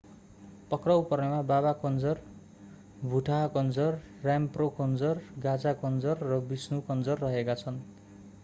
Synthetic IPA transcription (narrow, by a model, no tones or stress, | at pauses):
pʌkrʌwpʌrnemabaβakʌnd͡zʌr | bʱuʈʰakʌnd͡zʌrː | jamprokʌnd͡zʌrɡad͡zakʌnd͡zʌrːʌbisnukʌnd͡zʌrːʌɦekat͡sʰʌn